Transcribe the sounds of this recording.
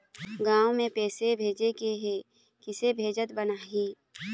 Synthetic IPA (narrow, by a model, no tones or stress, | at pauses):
ɡãːwmẽpɛːsebʱeːd͡ʒekeɦe | kɪsebʱeːd͡ʒət̪bənaːɦiː